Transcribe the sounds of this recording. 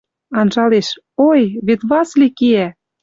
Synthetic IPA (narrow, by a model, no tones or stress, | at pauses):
ɑnʒɑleʃ | ojβet̪βɑslikiæ